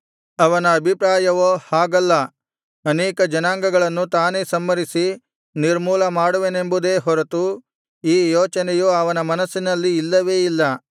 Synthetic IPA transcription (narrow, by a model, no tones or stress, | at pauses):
ɐʋɐnɐːbʱipɾaːjɐʋoːhaːɡɐlːɐ | ɐneːkɐd͡ʒɐnaːŋɡɐɡɐɭɐnːut̪aːneːsɐmːɐɾisi | niɾmuːlɐmaːɽuʋenembud̪eːɦɔɾɐt̪u | iːjɔːt͡ʃɐnejuɐʋɐnɐmɐnɐsːinɐlːiːlːɐʋe̞ːilːɐ